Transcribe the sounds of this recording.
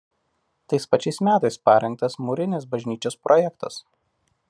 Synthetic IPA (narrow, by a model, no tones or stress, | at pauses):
t̪ɐɪspɐt͡ʃʲɛɪsmʲæːt̪ɐɪspɐɾʲɛŋk̚t̪ɐsmuɾʲɪnʲɪs̬bɐʒʲnʲiːt͡ʃʲoːspɾʔɔjɛkt̪ɐ̰s